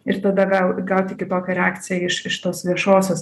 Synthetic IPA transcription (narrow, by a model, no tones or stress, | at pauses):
ɪɾt̪ɐd̪ɐɡɐʊɡɐʊt̪ʲɪkʲɪt̪oːkʲɛɾʲɛaːk̪t͡s̪ʲɪjɛɪʃɪʃt̪oːsʋʲiɛʃoːsʲoːs